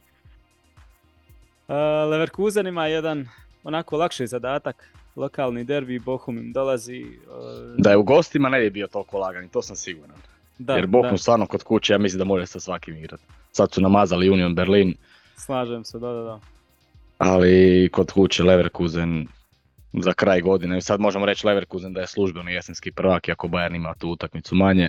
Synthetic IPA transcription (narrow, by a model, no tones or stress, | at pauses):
əleʋeɾkuːzenimajed̪an | onakolˠakʃijzad̪aːt̪aklo̞kaːlˠnid̪eɾbibo̞xumimd̪o̞lazi | d̪ajeuɡo̞st̪imanebjebiot̪o̞lˠkolˠaːɡanit̪oːsamsiɡuɾan | d̪ajeɾboumst̪aːɾnoko̞d̪kut͡ʃejaːmislimd̪amoɾaesasʋakimiɡɾat̪ | sad̪sunamaːzalijunijo̞nbeɾliːn | slˠaːʒuemsed̪ad̪ad̪a | aliko̞d̪kut͡ɕele̞ʋeɾkuzen | zakɾaːjɡo̞d̪inesad̪mo̞ʒemoɾe̞t͡ɕle̞ʋeɾkuzend̪aje̞slˠuʒbenoje̞senskipr̩ʋakiako̞bajanimat̪uːut̪akmit̪sumaɲe